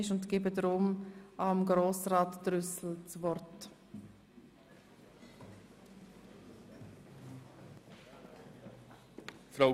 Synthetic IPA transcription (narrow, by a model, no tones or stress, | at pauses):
ɪʃʊntɡ̥ɪbədɾʊmɑmɡɾoːsrɑːtd̥ɾʏsl̩t͡svɔɾt | fɾa